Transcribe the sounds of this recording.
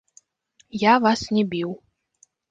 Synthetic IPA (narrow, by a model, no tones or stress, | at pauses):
javasnʲɛbʲiw